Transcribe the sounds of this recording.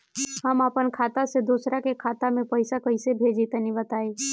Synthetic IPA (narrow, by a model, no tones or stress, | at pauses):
həmaːpənkʰaːt̪ased̪uːsɾakekʰaːt̪amẽpəɪsakəɪsebʱeːd͡ʒit̪nĩbət̪aːe